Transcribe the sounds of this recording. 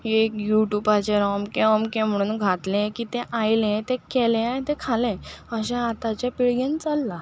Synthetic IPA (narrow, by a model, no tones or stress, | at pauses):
ekjuʈubat͡ɕeɾɔmkẽəmkẽm̤əɽ̃uːnɡʱat̪lẽkiːt̪ẽʔajlẽt̪ẽkelẽat̪ẽkʰalẽəɕẽat̪at͡ɕjapiɭɡẽnt͡salːa